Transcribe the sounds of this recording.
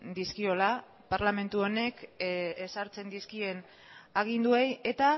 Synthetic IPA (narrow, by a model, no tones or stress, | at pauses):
d̪iskio̞la | paɾlame̞nt̪uo̞ne̞kesaɾt͡se̞nd̪iskie̞n | aɣ̞ind̪ue̞je̞t̪a